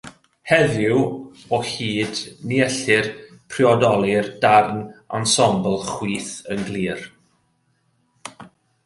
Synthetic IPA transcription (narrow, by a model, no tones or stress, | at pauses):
hɛðɪw | ɔhiːdniɛɬɪrpʰrɪɔdɔlˠɪrd̥arna̰nsɔmblˠχwiːθənɡlˠiːr